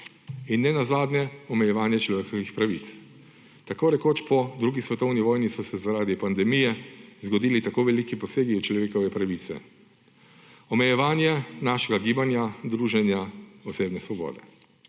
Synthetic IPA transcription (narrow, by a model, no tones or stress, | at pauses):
inːɛnazaːd̪nɛɔmɛjɛʋaːnjɛt͡ʃlɔʋeːkɔʋixpɾaʋḭt̪s | t̪akoːɾɛkoːt͡ʃpɔd̪ɾuːɡisʋɛt̪ɔwniʋɔːjnisɔsɛzaɾaːd̪ipand̪ɛmijɛzɡɔd̪iːlit̪akoʋɛlikipɔseːɡit͡ʃlɔʋeːkɔʋɛpɾaʋiːt̪sɛ̰ | ɔmɛjɛʋaːnjɛnaʃɛɡaɡiːbanjad̪ɾuːʒɛnjaɔseːbnɛsʋɔbɔ̰ːd̪ɛ̰